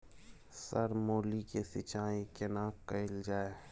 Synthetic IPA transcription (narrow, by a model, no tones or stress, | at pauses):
sɐɾmoːlikesɪt͡ʃaːjẽkɪnaːkːɐɪld͡ʒaːe